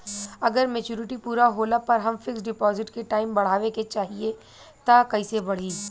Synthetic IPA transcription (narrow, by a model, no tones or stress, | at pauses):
ɐɡəɾmet͡ʃuːɾɪʈipuːɾaɦoːlapɐɾɦɐmfɪksɖɪpɔːzɪʈkeʈaːɪmbɐɽ̤aːʋeket͡ʃaːɦie | t̪akɐisebɐɽ̤iː